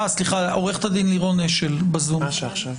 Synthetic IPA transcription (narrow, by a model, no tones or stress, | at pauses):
sliχaoʁeχt̪ad̪inliʁoneʃelbazuʃav